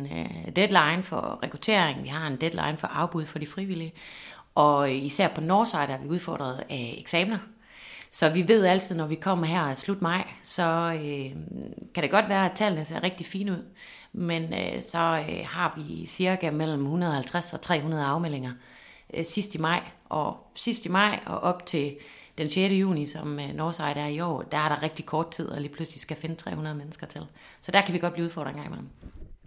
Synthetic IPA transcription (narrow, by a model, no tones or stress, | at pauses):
nd̥ed̥lɑ̈ɪnfɒ̰ʁɛkʰʁut͡sʰe̝̰ɐeŋ̩ʋiɦɑ̈e̝nd̥ed̥lɑ̰ɪnfɒ̽ʔɑ̈ʊb̥uð̞ˠfɒɾ̥ifʁiʋiliə | ʔɒ̽isæɐ̰pʰɒ̽nɒːsɑ̈ɪd̥ˠɑ̈ʋiuð̞ˠfɒ̰ːd̥ʁɐð̞̩ˠeɡ̥sɛːmnɐ | sɒ̽ʋiʋe̝ð̞̰ˠæl̰t͡sʰið̞̰ˠnɒʋikʰɒ̽m̰ɐɦæɐ̰slud̥mɑ̈ɪ̰sɒ̽ø | kʰæɾ̥eɡ̥ɒ̽d̥ʋæːɐæt͡sʰɛ̰ːlnəse̝ɐ̰ʁeɡ̥d̥ifiːnəuð̞̰ˠ | menøsɒ̽øhɑ̈ʋisiɐɡ̥æmel̰m̩hunɐð̩ˠɒ̽hælt͡sʰʁasɒ̽t͡sʰʁɛ̰ːɦunɐð̞ˠɑ̈ʊmel̰eŋɐ | sisd̥imɑ̈ɪ̰ʔɒsisd̥imɑ̈ɪ̰ɒ̽ʔɒ̽b̥̚t͡sʰe̝ | d̥enseːɾəjṵːnisɒ̽mnɒːsɑ̈ɪ̰ɾæɐiɒ̰ːd̥ææɐɾ̥ɑ̈ʁeɡ̥̚d̥ikʰɒːd̥̚t͡sʰið̞̰ˠɒ̽liːpʰluslisɡ̥æfe̝nət͡sʰʁɛ̰ːhunɐð̞̩ˠmenəsɡ̥ɐt͡sʰe̝l | sɒd̥æɐkʰæʋiɡɒd̥̚b̥liːuðˠfɒ̰ːdʁeŋɡɑ̰ŋ̰imḛm̩